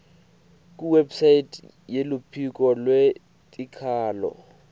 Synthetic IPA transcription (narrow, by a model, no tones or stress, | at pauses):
kʼuwebsaitʰʼ | jelʊpʰikʼɔlwe | tʼikʰaːlɔ̰